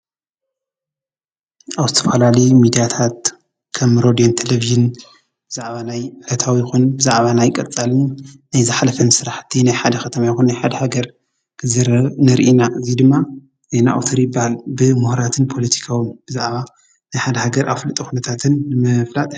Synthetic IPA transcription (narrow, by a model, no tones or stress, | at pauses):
ʔaβzɨt̪ʰɐfɐlalijmid̪ijat̪ʰat̪̚ | kʰɐmɾod̪ijont̪ʰeleviʒɨn | b̥ɨzaʕβanajlɐt̪ʰawijɪxunbɨzaʕβanajkʼɐt͡sʼalɨnnːajzɨħalɐfɐnsɨɾaħt̪ʰːinajħad̪ɐxɐt̪ʰɐmajxunːajħad̪ɐhaɡɐɾ | kʰɨzɨɾnɨɾʔinaʔɨzid̪ɨmːa | zejnaʔa̰wt̪ʰoɾibahalbɨmuhɾat̪ʰɨnpʰo̞lɐt̪ʰi̥kʰawɨnb̥ɨzaʕβa | najħad̪ɐhaɡɐɾʔa̰flɨt̪ʼuxunɐt̪ʰat̪ʰɨnːɨmɐflat̪ʼ